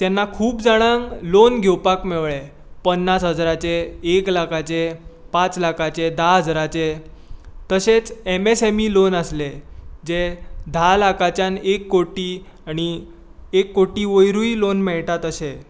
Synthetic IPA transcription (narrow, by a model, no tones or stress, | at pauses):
t̪janːakʰuːpd͡zaɽ̃aŋlonɡʱewpakmeʋɭe | pənːasɦəd͡zɾat͡seːklakʰat͡se | pat͡slakʰat͡ɕed̪aɦəd͡zɾat͡ɕe | t̪əset͡semesemilonəsled͡zed̪ʱalakʰat͡ɕjanekːoʈiː | aɽ̃i | ekːoʈiːʋojɾuilonmɛɭʈat̪əse